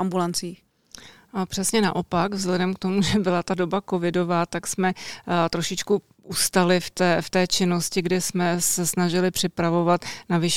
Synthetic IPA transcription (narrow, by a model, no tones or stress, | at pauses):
ʔambulant͡siːx | pr̝̥ɛsɲɛna̰ʔo̞pakvzlɛdɛmkt̪o̞muʒɛbɪlat̪ado̞bako̞vɪdo̞vaːt̪aksmɛt̪ɾo̞ʃɪt͡ʃku | ust̪alɪft̪ɛːft̪ɛːt͡ʃɪnoscɪɡdɪsmɛsɛsnaʒɪlɪpr̥ɪpɾavo̞vat̪navɪʃ